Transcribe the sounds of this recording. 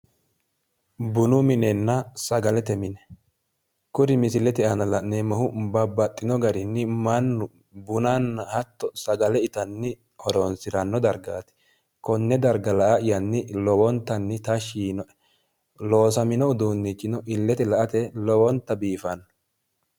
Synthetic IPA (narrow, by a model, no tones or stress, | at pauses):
bʊnʊmɪnɛnːɐsɐɡɐlɛt̪ɛmɪnɛ̥ | kʊɾɪmɪsɪlɛt̪ɛʔɐnɐlɐnemɐhʊbɐbːɐt̪ʼːɪnɔɡɐɾɪnːɪmɐnːʊ | bʊnanːɐhɐt̪ːɔsɐɡɐlɛɪt̪ɐnːɪ | hɔɾonsɪɾɐnːɔd̪ɐɾɡaːt̪ɛ̥ | kɔnːɛd̪ɐɾɡɐlɐʔaʔɪjɐnːɪlɔwɔnt̪ːɐnːɪt̪ɐʃiːnɔ | lo̞ːs̬ɐmɪnɔʊd̪uːnːit͡ʃʼːɪnɔʔɪlːɛt̪ɛlɐʔɐt̪ɛlɔwɔnt̪ːɐbiːfɐnːɔ